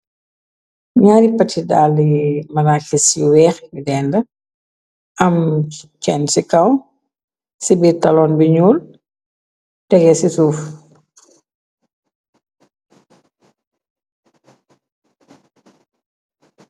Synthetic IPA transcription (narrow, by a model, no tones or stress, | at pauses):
ɲaːɾipːɐtidaːlːimɐnakɛsiwɛːxidɛːndɐ | ɐmt͡ʃɛnsikɐw | sibitɐlɔːnbiɲuːl | tɛɡɛsisuːf